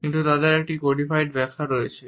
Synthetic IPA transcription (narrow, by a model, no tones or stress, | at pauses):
kintutadɛɹɛʈikodipʰajd̚bɛkʰaɹojsɛ